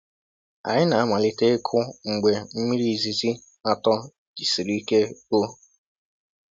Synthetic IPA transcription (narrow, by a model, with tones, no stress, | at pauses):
a̰˨ɲɪ˦na˨a˦˨ma˨lɪ˨te˦kʰʊ˦ŋ̩˨ɡ͡be˨m̩˦mi˦ɾi˦˨zi˨zi˦ | a˨tɔ˦ | d͡ʒi˨si˨ɾi˦i˦ke˦o˦